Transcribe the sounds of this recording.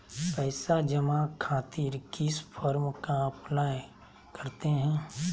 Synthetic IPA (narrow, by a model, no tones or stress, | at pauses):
pɛːsad͡ʒəmakʰaːt̪iːɾkɪspʰɔɾmkaɐplaːj | kəɾt̪eɦɛ̃ː